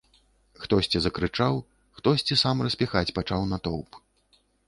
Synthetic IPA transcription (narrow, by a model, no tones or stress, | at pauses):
xt̪ɔsʲt͡sʲɛzɐkɾɨt͡ʂaw | xt̪ɔsʲt͡sʲɛsamrɐsʲpʲixat͡sʲpat͡ʂawnat̪ɔwp